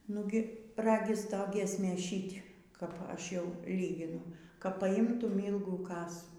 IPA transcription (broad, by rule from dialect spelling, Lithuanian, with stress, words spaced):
ˈnʊɡʲɪ ˈrɑːɡʲɪs ˈtoː ˈɡʲiɛsʲmʲeːs ˈʃʲiːtʲ kɐp ˈɐʃ ˈjɛʊ ˈlʲiːɡʲɪnʊ kɐp pɐˈɪmtʊm ˈiːlˠɡuː ˈkɑːsuː